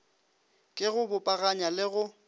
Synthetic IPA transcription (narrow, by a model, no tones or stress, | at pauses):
kʼɪɣʊbʊpʼaɣaɲalɪɣʊ